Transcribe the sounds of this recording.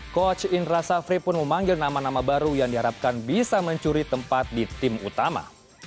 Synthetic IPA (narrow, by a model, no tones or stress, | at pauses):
kɔt͡ʃɪnrasafɾipʊnməmaŋɡɪlnamanamabaɾujaŋdiɦaɾap̚kanbisaməɲt͡ʃuɾit̪əmpat̪̚dit̪ɪmṵt̪ama̰